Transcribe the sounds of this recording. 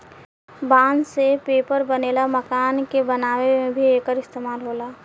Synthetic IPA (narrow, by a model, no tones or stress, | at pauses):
bãːnsepeːpəɾbəneːlaməkaːnkebənaːwemẽbʱieːkəɾɪst̪eːmaːlɦoːlaː